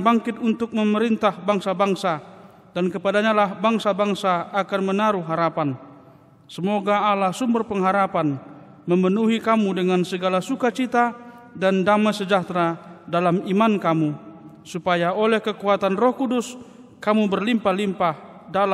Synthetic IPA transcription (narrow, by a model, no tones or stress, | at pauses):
baŋkɪt̪unt̪ʊk̚məməɾint̪ahbaŋsabaŋsa | dankəpadaɲalahbaŋsabaŋsaːkanmənaɾuɦaɾapan | səmoɡaːlahsumbərpəŋɦaɾapan | məmənuɦikamudəŋansəɡalasukat͡ʃit̪a | dandamajsəd͡ʒat̪ɾadalamimankamu | supajaolɛhkəkuat̪anrɔhkudus | kamubərlimpalimpahdala